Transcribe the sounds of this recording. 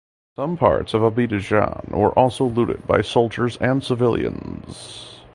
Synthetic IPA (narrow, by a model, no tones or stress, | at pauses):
sʌ̃mpʰɑ̰ɹtsʌvəbiɾɨʒɑ̰̃nwə̰˞ʔɔlˠsoʊluɾɨ̰d̚baɪsoʊlˠd͡ʒə˞zɨ̃nsəvɪlˠjɨ̰̃nz̥